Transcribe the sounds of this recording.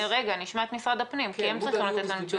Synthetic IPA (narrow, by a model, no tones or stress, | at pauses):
ʁe̞ɡaniʃmaet̪misʁad̪apnimkiemt͡saʁiχimlat̪et̪lanut͡ʃu